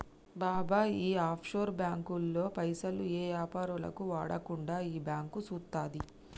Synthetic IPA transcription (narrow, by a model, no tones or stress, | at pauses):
baːbaːiːaːpʰʃo̞ːɾbjaːŋkulːo̞ːpɐjsɐlueːjaːpaːɾulɐ̰kuʋaːɽɐkuɳɖaːiːbjaːŋkusuːt̪ːaːd̪i